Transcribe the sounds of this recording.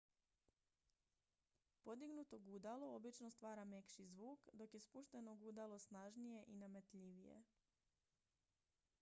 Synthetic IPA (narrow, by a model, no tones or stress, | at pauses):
po̞d̪iɡnut̪o̞ɡud̪aloobit͡ʃno̞st̪ʋaːɾame̞kʃizʋuːkd̪o̞kje̞spuʃt̪e̞no̞ɡud̪alˠosnaʒnije̞ʔinamet̪ʎiʋije̞̰